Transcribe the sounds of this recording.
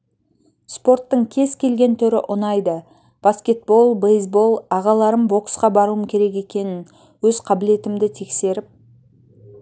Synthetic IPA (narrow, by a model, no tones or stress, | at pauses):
spo̞ɾt̪ːəɴkʲʰe̞zkʲʰe̞lɡʲe̞nt̪ʰʏɾɪ̰ʔʊnɑjd̪ə | b̥askʲe̞t̪̚bo̞lˠbejzbo̞lˠɑʁɑlˠɑɾəmbo̞ksqɑbɑɾuəmkʲʰe̞ɾe̞ke̞kʲe̞nɪn | wɵzqʰɑbɪle̞t̪ɪmd̪ɪt̪ʰe̞kse̞ɾɪp̚